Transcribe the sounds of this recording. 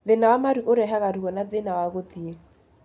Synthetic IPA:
ðɪnawamaɾiʊɾɛɦaɣaɾikɔnaðɪnawaɣot̪ie

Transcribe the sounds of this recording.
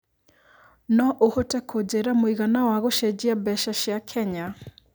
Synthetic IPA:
nɔʔohotɛkʰod͡ʑeɾamoiɣanawaɣoʃɛd͡ʑiabɛʃaʃjakʰɛɲa

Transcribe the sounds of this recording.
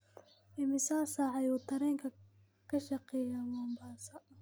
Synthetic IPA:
ʔɪmɪsaːsɐʕɑjuːt̪ʰɐɾɛːŋkʰɐ | kʰɐʃɐqɛːjawɔːmbaːsɐ

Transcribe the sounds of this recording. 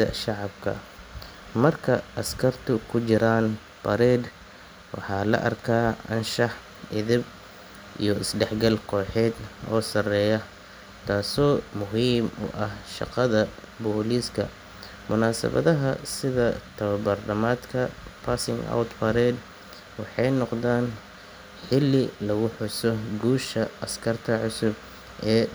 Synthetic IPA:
ɐ̰ʃɑʕɑbkʰɐ̰ | mɐrkʰɐʔɐskʰɐrt̪ʰʊkʰʊt͡ʃɪɾaːn | b̥ɐɾɛːd̪ | wɑ̰ħɑːlɐ̰ʔɐ̰rkʰaːʔɐ̰nʃɑħ | ɪðɪb | ʔḭjɞɪsɖɛħɡɐlkʰɔːħɛːd̪ɔːsɐrɛːjɐ | t̪ʰaːsɔːmʊɦiːmʊ̰ʔɐhʃɑ̰qɑðɐ | bɔːliːskʰɐ̰ | mʊnaːsɐ̰βɐ̰ðɐɦɐsɪðɐt̪ʰɐβɐbɐrnɐmaːd̪kʰɐpʰaːsɪŋa̰wt̪fɐɾɛd̪ | wɑħɑjnɔqðaːn | ħɪlɪlɐɣʊħʊsɔɡuːʃɐɐskʰɐrt̪ʰɐʕʊsʊb | ɛː

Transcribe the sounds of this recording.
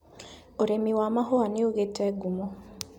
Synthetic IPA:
oɾemiwamaɦoaneoɣetɛɡumo

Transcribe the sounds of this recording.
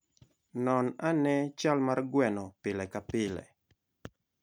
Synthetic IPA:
nɔnanɛt͡ʃalmarɡwɛnɔpɪlɛkapɪlɛ̰

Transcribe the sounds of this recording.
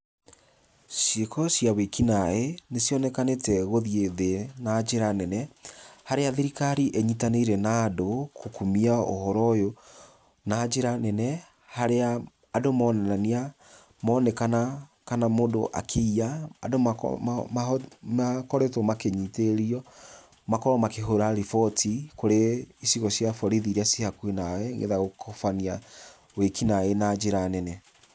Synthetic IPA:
sekɔsiawekinaenesjɔnɛkanetɛɣoðieðenad͡ʒeɾanɛnɛhaɾeaðeɾikaɾiʔeɲitaneiɾɛnaːdokʰokumiao̰hɔɾɔjo | nad͡ʒeɾanɛnɛ | haɾeaː | domɔnɛnania | mɔnɛkana | kanamodoʔa̰kʰeiaːdo̰ | makɔɾɛtɔmakeɲiteɾiɔ | makɔɾɔmakeɦoɾaɾifɔtʰikoɾeisiɣɔsjafɔɾiðiɾiasiakwenawɛŋɡḛðaɣokʰɔfania | wekinaenad͡ʒeɾanɛnɛ

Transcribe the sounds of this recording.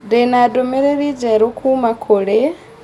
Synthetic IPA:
denadomeɾeɾid͡ʒeɾokʰumakʰoɺe

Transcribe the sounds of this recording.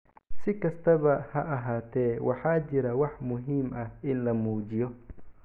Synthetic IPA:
sɪkɐst̪ɐβɐhɐʔɐɦaːt̪ʰɛːwʔɑ̰ħaːt͡ʃɪɾɐwɑħmʊɦiːmʔɐhɪnlɐmuːd͡ʒɪjɔ

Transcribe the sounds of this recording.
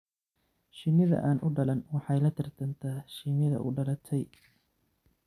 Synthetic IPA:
ʃɪmɪðɐ̰ʔaːnʔʊɖɐlɐnwɑħɑjlɐt̪ʰɪrt̪ʰɐnt̪ʰɐːʃɪmɪðɐ̰ʔʊ̰ɖɐlɐt̪ʰɛj

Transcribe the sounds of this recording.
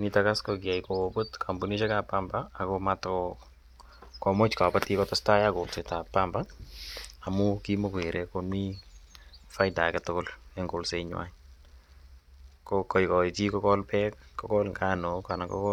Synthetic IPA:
nitakaskɔkiajkoobotkʰambuniʃekapambaːkomatkɔ | kɔmot͡ʃkapatikɔtɔstajakolsetapːamba | amukimokweɾʔɛkonmi | fajtakɛtʊkʊleŋɡolseɲʊwa̰ɲ | kokɔjkɔitikɔkɔlpɛkkːɔkɔlŋɡanokanakɔ̰kɔ

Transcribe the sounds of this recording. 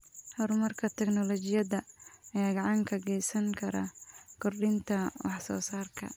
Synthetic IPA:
hɔɾmɐrkʰɐt̪ʰɛɡnɔlɔt͡ʃɪjɐðɐɐjaːɡɐʕɑŋkʰɐɡɛjsɐŋkʰɐɾɐ̰kʰɔrɗɪnt̪ʰɐwɑħsɔ̰ːsaːrkʰɐ̰

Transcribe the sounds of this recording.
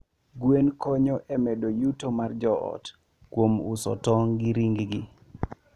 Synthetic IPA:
ɡwenkɔɲɔʔɛmedojutomard͡ʒɔɔ̰t | kwomusɔ̰tɔŋɡiɾiŋɡɡi

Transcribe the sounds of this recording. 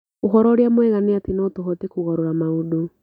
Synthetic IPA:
oɦɔɾɔɾeamwɛɣaneatenotoɦɔtekuɣɔɾoɾamaodo

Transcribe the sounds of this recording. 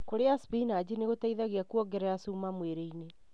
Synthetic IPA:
koɾeaspinad͡ʑineɣotaiðaɣeakuɔɡɛɾɛjasuːmamweɾeine

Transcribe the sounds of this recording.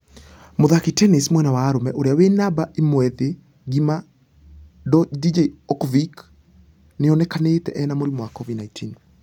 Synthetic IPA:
moðakitɛnismwɛnawaːɾomɛʔoɾeawenabaʔimwɛðe | ɡima | dɔdid͡ʒeɔkvik | nɪɔnɛkaneːtɛʔɛnamoɾimwakɔvidnaitʰin

